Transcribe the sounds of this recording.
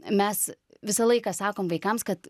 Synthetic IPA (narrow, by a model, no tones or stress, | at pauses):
mʲɛs | ʋʲɪsɐlˠɐɪkɑːsɑːkoːmʋɐɪkɐmskɐt̪